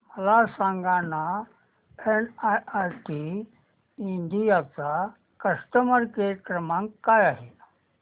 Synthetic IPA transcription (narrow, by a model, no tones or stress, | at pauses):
məlasãŋɡana | enaajʈi | ind̪ijat͡sa | kəsʈəməɾkəɾəkɾəmãŋkkːajaɦe